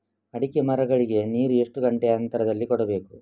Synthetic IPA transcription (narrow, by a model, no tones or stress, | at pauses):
ɐɽikemɐɾɐɡɐɭiɡe̞niːɾue̞ʂʈuɡɐɳʈeɐnt̪ɐɾɐd̪ɐlːikɔɽɐbe̞ːku